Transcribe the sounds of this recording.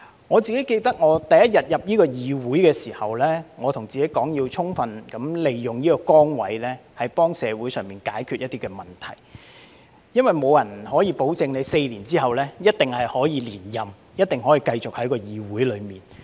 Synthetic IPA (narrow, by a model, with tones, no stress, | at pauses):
ŋɔː˨˧t͡siː˨ke˨˥jke˧jt̪ɐ˥k̚ŋɔː˨˧t̪ɐ˨jɐ˦˥t̚jɐ˨t̚jɐ˨p̚jiː˥kɔː˧jiː˨˧wuː˨˥jkɛː˧siː˨˩hɐ˨wlɛː˥ŋɔː˨˧t̪ʰʊ˨˩ŋt͡siː˨ke˨˥jkɔː˨˥ŋjiː˧wt͡sʰʊ˥ŋfɐ˨˧nkɐ˨˥mle˨jːʊ˨ŋjiː˥kɔ˧kɔː˥ŋwɐ̰˨˥jlɛː˥hɐ˨jpɔː˥ŋsɛː˨˧wuː˨˥jsœː˨ŋmiː˨nkaː˨˥jkʰy˨t̚jɐ˥t̪i˥kɛː˧mɐ˨˩nt̪ʰɐ̰˨˩j | jɐ˥nwɐ˨jmo˨˧wjɐ˨˩nhɔː˨˥jiː˨˧po˨˥wt͡sɪ˨˧ŋne˨˧jse˧jliː˨˩nt͡siː˥ɦɐ˨wlɛː˥jɐ˥t̚t̪ɪ˨ŋhɐ˨jhɔː˨˥jiː˨˧liː˨˩njɐ˨˩m | jɐ˥t̚t̪ɪ˨ŋɦɔː˨˥jiː˨˧kɐ˧jt͡sʊ˨k̚hɐ˨˥jkɔː˧jiː˨wuː˨˥jlɵ˨˧ɥmiː˨n